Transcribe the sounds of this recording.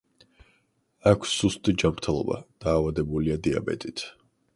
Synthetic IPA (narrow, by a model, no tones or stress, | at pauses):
akʷʰsːust̪ʼid͡ʒamɾt̪ʰɛlˠɔ̰ba̰d̪̥aːvad̪ɛbuliad̪ia̰bɛ̰t̪ʼit̪ʰ